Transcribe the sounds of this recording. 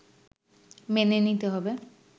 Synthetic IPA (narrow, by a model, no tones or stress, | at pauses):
menenit̪eɦɔbe